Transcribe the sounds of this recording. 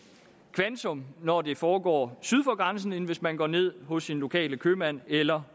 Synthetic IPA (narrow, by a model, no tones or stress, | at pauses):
kʰʋænt͡sʰɔ̽mnɒde̝fɒːɡ̥ɒ̰ːsyð̞ˠfɒ̽ɡ̥ʁɑ̈ns̬n̩e̝n̩ʋe̝smænɡ̥ɒ̰ːne̝ð̞̰ˠɦɔ̽sːinlo̝kʰɛ̰ːləkʰøːmæn̰elɐ